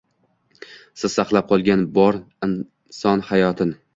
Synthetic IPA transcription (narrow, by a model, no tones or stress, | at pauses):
sɪz̥saqlˠap̚qʰɒlˠɡʲanbɒɾ | ɪn | sɒnhajɒt̪ʰɪn